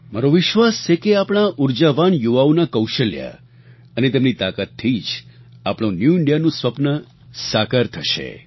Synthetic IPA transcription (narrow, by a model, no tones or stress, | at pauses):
maɾoʋɪʃʋast͡ʃʰekeapɽ̃aʔuɾd͡ʒaʋaɳjuʋaonakəwʃəlja̰ | ənet̪emnit̪akat̪ʰːid͡ʒ | apɽ̃õnjuɪɳɖijanũsʋəpnə | sakəɾt̪ʰəʃḛ